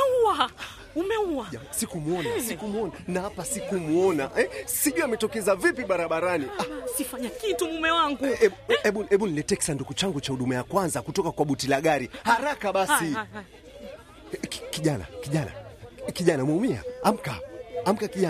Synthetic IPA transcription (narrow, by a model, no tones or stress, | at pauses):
ua | umɛuasikumuɔnasikumuɔnanahapasikumuɔnaʔɛsiʄuamɛtɔkɛzavipiɓaɾaɓaɾaniasifaɲakitumumɛwaŋɡuɛɛɓuɛɓunilɛtɛksandukut͡ʃaŋɡut͡ʃahuɗumajakwanzakutɔkakwaɓutilaɠaɾihaɾakaɓasi | kkiʄana̰kiʄana̰kiʄanamwaumia̰am̩kaːm̩kakiʄa